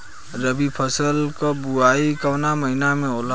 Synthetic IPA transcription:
ɾəbipʰəsəlkʌbuaikawnaməɦinameola

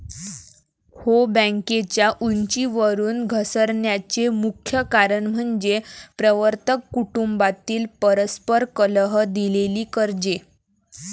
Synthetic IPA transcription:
hobə̃ŋket͡ɕjaʔuɲt͡ɕiːʋəɾuːnɡʱəsəɾɳjat͡ɕemukʰjəkaɾəɳm̤əɳd͡ʑepɾəʋəɾt̪əkːuʈumbat̪iːlpəɾəspəɾkələɦəd̪ileliːkəɾd͡ʑe

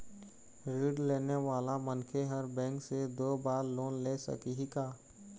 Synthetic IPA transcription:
ɾiːɖleːneʋaːlamənkʰeɦəɾbɛ̃ːŋksed̪oːbaːɾloːnleːsə̰kiɦikaː

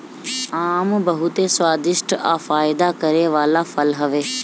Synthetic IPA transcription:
aːmbɐɦʊt̪eswaːd̪ɪʃʈaːfaːɪd̪akɐɾeʋaːlafɐlɦɐʋeː

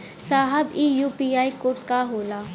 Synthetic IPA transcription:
saːɦəbiːjuːpiːaːikoːʈkaɦoːlaː

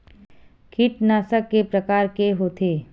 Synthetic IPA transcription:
kʰɪʈnaːsəkːepɾɐkaːɾkeɦoːt̪ʰeː

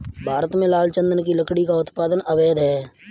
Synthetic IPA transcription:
bʱaːɾət̪mẽlaːlt͡ʃə̃nd̪ənkiləkɽikaʊt̪paːd̪ənəʋeːd̪ɦɛː

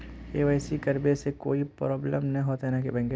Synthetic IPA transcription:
eːʋɛːsikɐɾbesekoːipɾɔːbləmnɐɦĩɦoːt̪ɦɛnakebɐ̃ŋɡe

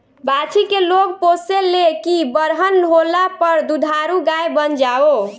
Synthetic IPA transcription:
bat͡ʃʰikeloɡposelekibəɾɦənːɦolapəɾd̪ud̪ʱaɾuɡajbənd͡ʒao

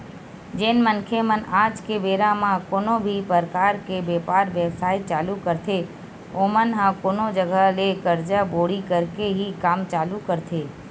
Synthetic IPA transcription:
d͡ʒeːnmənkʰemənaːd͡ʒkebeːɾãmãkoːnobʱipəɾkaːɾkebepaːɾʋɛwsaːɪt̪̚t͡ʃaːlukəɾt̪ʰe | omənɦãkoːnod͡ʒəɡʱalekəɾd͡ʒaboːɽikəɾkeɦikaːmt͡ʃaːlukəɾt̪ʰeː

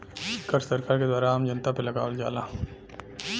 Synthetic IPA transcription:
kəɾssɐɾkaːɾked̪waːɾaaːmd͡ʒɐnt̪apelɐɡaːəld͡ʒa̰ːlãː

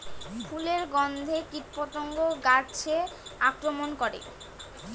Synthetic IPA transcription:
pʰuleɾɡɔnd̪ʱekitpot̪oŋɡoɡat͡ɕʰeakɾomonkoɾḛ

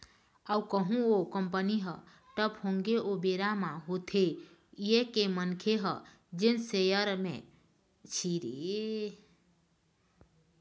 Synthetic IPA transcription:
awkəɦũokəmpəniɦə | ʈəphoŋɡeʔobeɾamaɦot̪ʰe | jekemənkʰeɦə | d͡ʒensejəɾmḛ̃ | t͡ʃʰiɾe

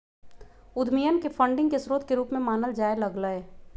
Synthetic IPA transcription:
ʊd̪ʱmijənkefʰə̃ɳɖɪ̃ŋɡkesɾoːt̪̚keɾuːpmẽmaːnəld͡ʒaːelɐɡləe

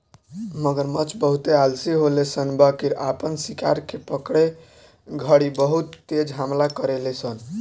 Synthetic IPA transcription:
məɡəɾmət͡ʃbəɦut̪ealsiɦolesənbakiɾapənsika̰ɾkepəkɽe | ɡʱəɽibəɦut̪ːed͡ʒɦamlakəɾelesən

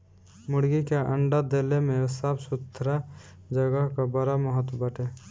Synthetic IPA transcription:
mʊɽɡikeʔəɳɖad̪elemẽsabsʊt̪ʰːɾa | d͡ʒəɡəɦkabəɾaməɦət̪wbəʈe

